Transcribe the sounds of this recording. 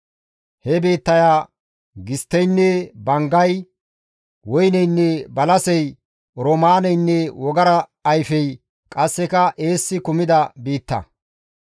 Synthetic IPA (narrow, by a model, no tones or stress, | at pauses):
hɛbeːt̪ːɐjaː | ɡɪst̪ːɛjnːɛbɐŋɡɐj | wɔjnɛjnːɛbɐlɐsɛj | ɾomaːnɛjnːɛwɔɡɐɾɐː | jfɛj | kʼɐsːɛkɐʔe̞ːsːɪkʊmɪd̪ɐbiːt̪ːɐ̰